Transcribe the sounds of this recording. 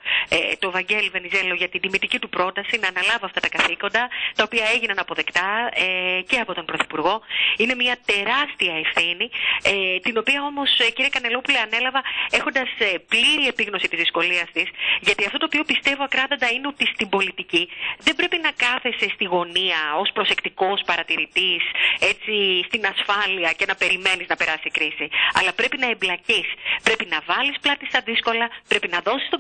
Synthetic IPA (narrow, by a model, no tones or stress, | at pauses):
et̪o̞vɐɲɟe̞love̞nize̞lo̞ʝɐt̪ind̪imit̪icit̪upɾo̞t̪ɐsinɐːnɐlɐvoɐft̪ɐt̪ɐkɐθiko̞nd̪ɐt̪ɐo̞piɐe̞ʝinɐnɐpo̞ðe̞kt̪ɐece̞ɐpo̞t̪o̞npɾo̞θi̥puɾɣo̞ine̞mɲɐt̪e̞ɾɐst̪iɐe̞fθiniet̪ino̞piɐo̞mo̞sciɾiekɐne̞lo̞puleɐne̞lɐvɐe̞xo̞nd̪ɐsepliɾie̞piɣno̞sit̪izðisko̞liɐst̪isʝɐt̪iɐft̪o̞t̪oːpiopist̪e̞vo̞ɐkɾɐðo̞nd̪ɐineot̪ist̪imbo̞lit̪iciðembɾe̞pinɐkɐθesst̪iɣo̞niɐo̞spɾo̞se̞kt̪iko̞spɐɾɐt̪iɾit̪ise̞t͡sist̪inɐsfɐliɐce̞nɐpe̞ɾime̞niznɐpe̞ɾɐsikɾisiɐ̰lɐpɾe̞pinɐeblɐcispɾe̞pinɐvɐlisplɐt̪ist̪ɐðisko̞lɐpɾe̞pinɐðo̞si̥st̪o